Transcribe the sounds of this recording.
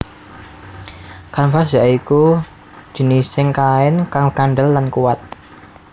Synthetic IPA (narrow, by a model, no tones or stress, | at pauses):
kanpasjaiku̥ | ʒ̥ə̤nisɪŋkaɪnkaŋkanɖəlːankuwat̪̚